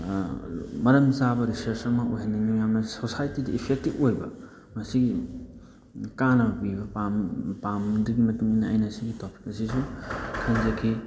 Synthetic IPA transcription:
mɐɾɐmzabɐɾisɐɾsɐŋmɐʔojɦenːiŋujamnɐsosajtidiipʰek̚tipojbɐ̰ | mɐsiɡi | kanɐɐbibɐpampamduɡimɐtuŋinːɐɐ̰jnɐsiɡitopi̥kɐsisukʰɐnzɐkʰi

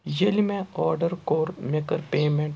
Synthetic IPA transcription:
jelimẽɔːɾɖəɾkoːɾmekəɾpeːmẽɳʈ

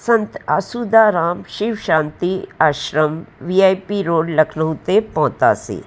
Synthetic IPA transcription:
sɐ̃nt̪asud̪aɾaːmʃiʋʃãːnt̪iaːʃɾəmʋiaːjpiɾoːɖlɐkʰnəũt̪epɔ̃ɦt̪a̰sḭː

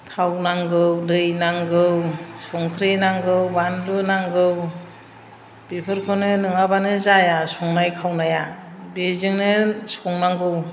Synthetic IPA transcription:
tʰawnaŋɡɯwdɯjnaŋɡɯwsɔŋkʰɾenaŋɡɯwbandunaŋɡɯw | b̥epʰɯɾkʰɯnɯnɯŋabanɯzajasɔŋnajkʰawnajabezɯŋnɯsɔŋnaŋɡɯw

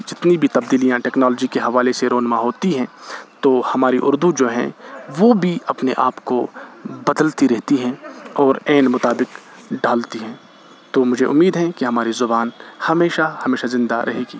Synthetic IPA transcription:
d͡ʒɪt̪nibʱit̪ɐb̚d̪iːlijãʈɛːknɔːlɔːd͡ʒikeɦɐʋaːleseɾoːnmãɦoːt̪iɦɛ̃ːt̪oːhɐmaːɾiʔʊɾd̪ud͡ʒoːɦɛ̰̃ʋobʱiɐpneʔaːpkobɐd̪əlt̪iɾɛɦt̪iɦɛ̃ːɔːɾɛːnmʊt̪aːbɪk | ɖaːlt̪iɦɛ̃ː | t̪omʊd͡ʒʱeʔʊmːiːd̪ɦɛ̃kiɦɐmaːɾizʊbaːnhɐmeːʃahɐmeːʃazɪ̃nd̪a̰ɾʔɐ̰ɦeːɡiː

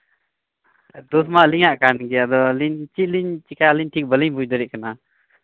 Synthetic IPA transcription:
d̪usmaʔliɲaʔkanɡɛad̪ɔliɲt͡ʃiʔ̪̚liɲt͡ʃikaliɲʈʰik̚bəliɲbud͡ʒd̪ɔɾɛʔkana

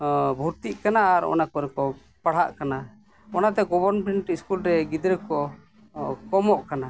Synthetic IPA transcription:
bʱuɾt̪iʔkanaːɾɔ̰nakɔɾɛkɔ | paɽ̤aʔkana | ɔnat̪̬ɛɡɔbɔɾnpɛɳʈiskulɾɛɡid̪ɾɛkɔ | kɔmɔʔkana

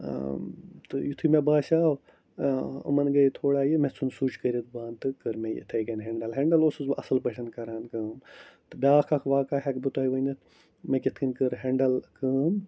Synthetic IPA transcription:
t̪ɨjut̪ʰɨmebaːsaːw | ɐ̰mɐnɡɐjt̪ʰoːɽaːjimet͡sunsuːt͡ʃʰkəɾʲit̪̚baːnt̪ɨkəɾmejḭt̪ʰɐɡɐnɦeɳɖɐlɦeɳɖɐloːsɨzɐsɐlpɐʈʰɐnkɐɾaːnkɐːmt̪ɨbaːkʰɐkʰʋaːkaːɦekbut̪aːiʋɐnɐt̪ | mekit̪ʰkʰɨnkɨɾɦeɳɖɐlkəːm

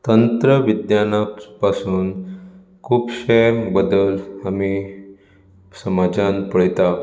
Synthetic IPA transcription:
t̪ənt̪ɾəʋid̪janapasuːn | kʰuːpɕebəd̪əlami | səmad͡ʑanpəɭt̪a

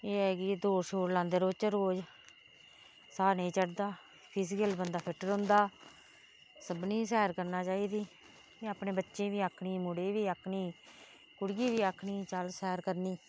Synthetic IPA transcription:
eːɦɛːkɪd̪oːʃoːɾlãːnd̪eːɾoːt͡ʃəɾoːd͡ʒ | saːnəĩːt͡ʃəɽd̪aː | pʰɪsɪkəlbənd̪aːpʰɪʈəɾʊ̃ːnd̪aː | səbniːsɛːɾkəɾnaːt͡ʃaːiːd̪iː | iːaːpnẽːbətːʃẽːʋiːaːkʰɳiːmʊɽeːʋiːakʰniː | kʊɽɡiːʋiːaːkʰɳiːt͡ʃəlsɛːɾkəɾniː

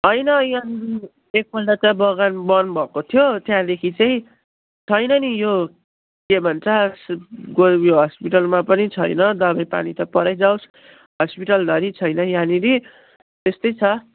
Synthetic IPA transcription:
ɦʌjnʌjani | ek̚bʌlʈat͡sabʌɡanbʌnbʱʌkot̪ʰjot̪jãd̪ekʰit͡saĩ | t͡sʰʌjnʌnijo | kebʱʌnt͡sʰʌsɡojoɦʌspiʈʌlmapʌnit͡sʰʌjnʌd̪ʌbʱʌjpa̰nit̪ʌpʌɾʌjd͡zaws | ɦʌspiʈʌld̪ʌɾit͡sʰʌjnʌjãniɾi | t̪est̪ʌjt͡sʰʌ

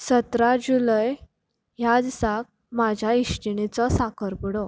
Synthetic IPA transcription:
sət̪ɾad͡ʑuləj | ɦjad͡zsak̚ | mad͡ʑʱjaiʂʈiɳ̃it͡sɔsakʰəɾpəɽɔ

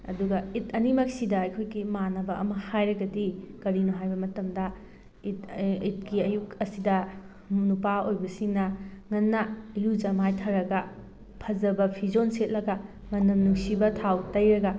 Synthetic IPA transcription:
ɐ̰duɡɐitʰɐnimɐksidɐɐjkʰojɡimanɐbɐɐ̰mɐhajɾɐɡɐdikɐɾinuɦajbɐmɐtɐmdɐ | itit̚kiɐjukɐsidɐ | munupaojbɐsiŋnɐŋɐnːɐjud͡ʒɐmajtʰaɾɐɡɐ | pʰɐd͡ʒɐbɐpʰizonset̚lɐɡɐ | ŋɐnːɐmnuŋsibɐtʰawtɐjɾɐɡɐ

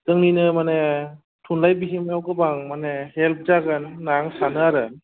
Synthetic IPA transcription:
tɯŋninɯmane | tʰunlajbiɦimawkɯbaŋmanehelp̚zaɡanːaŋsanɯaɾɯ

